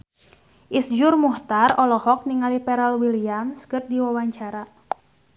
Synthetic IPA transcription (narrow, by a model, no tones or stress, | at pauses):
ʔisd͡ʒʊrmuht̪arɔlɔhɔk̚niŋalipɛɾɛlwiliamskɨr̚diwawaɲt͡ʃaɾa